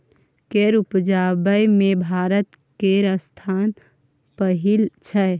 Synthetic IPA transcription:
keɾupd͡ʒabəjmẽbʱaːɾət̪ | keɾəst̪ʰaːn | pəɦilt͡ʃʰɛ

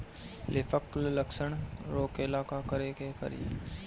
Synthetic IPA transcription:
lɪfʰəklləkʃəɳ̃ɾoːkɪlaːkakəɾekekə̰ɾḭː

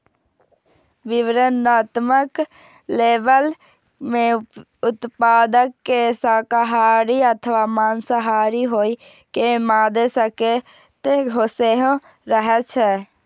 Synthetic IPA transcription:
ʋɪʋɾənaːt̪mək | leːʋəl | mẽ | ʊt̪paːd̪əkːesakɦaːɾiət̪ʰəʋaːmaːnsəɦaːɾiɦoːi | kemaːd̪esəke | t̪eɡʱoseɦõ | ɾəɦɛt͡ʃʰɛ

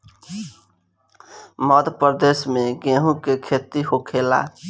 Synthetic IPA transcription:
məd̪ʱpəɾd̪esmeɡeɦũkekʰet̪iɦokʰela̰

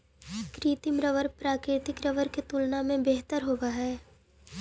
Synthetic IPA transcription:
kɾiːt̪ɪmɾəʋəɾpɾaːkɾɪt̪ɪkɾəʋəɾket̪ulnamẽbeɦt̪əɾɦoːʋaɦɛː

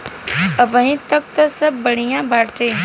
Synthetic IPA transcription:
ɐbəɦĩt̪ɐk̚t̪ɐsɐbːɐɽ̤ijãbaːʈeː

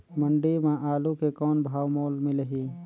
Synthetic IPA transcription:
məɳɖimãʔaːlukekɔːnbʱaːwmoːlmɪlɦiː

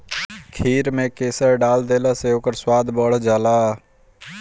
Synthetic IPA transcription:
kʰiːɾmẽkeːsəɾɖaːld̪eːlaseoːkəɾswaːd̪ʱbəɽ̤d͡ʒaːlaː

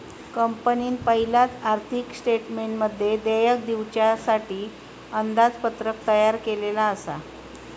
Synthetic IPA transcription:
kəmpəniːnpəɦilat̪aɾt̪ʰiksʈeʈmeɳʈməd̪ʱːjed̪ejək̚d̪iʋt͡ɕjasaʈiː | ənd̪ad͡zpət̪ɾək̚t̪əjaɾkelelaəsa̰

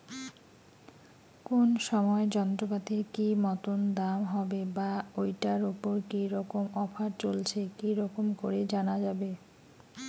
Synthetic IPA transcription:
konʃɔmɔed͡ʑɔnt̪ɾobat̪iɾkimɔt̪ond̪amɦɔbebaojʈaɾupoɾkiɾɔkomɔpʰaɾt͡ɕolt͡ɕʰekiɾɔkomkoɾed͡ʑanad͡ʑabe

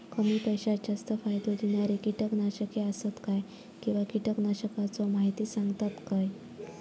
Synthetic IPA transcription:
kəmiːpəjɕad͡ʑast̪əfajd̪od̪injaɾikiʈəknaɕəkeəsət̪kaj | kĩw̃ʋakiʈəknaɕəkat͡sɔmaɦit̪iːsãŋɡt̪at̪kaj

